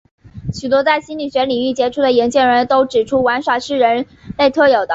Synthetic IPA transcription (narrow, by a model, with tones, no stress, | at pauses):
ɕy˨˩t̪̬wɔ˥t͡sa˥˩ɪɕi˥nly˨˩ɕɥɛ˧˥li˨˩ŋy˥˩t͡ɕjɛ˧˥ʈ͡ʂʰu˥˩d̪ə˨˩ji˧˥ŋt͡ɕjɛ˥˩ŋɻə˧˥nt̪o˥ʊʈ͡ʂɻ̩˨˩ʈ͡ʂʰu˥wa˧˥nʂwa˨˩ʂɻ̩˥˩ɻə˧˥n | le˥˧ɪt̪ʰɤ˥˩jo˨˩ʊd̪ə˦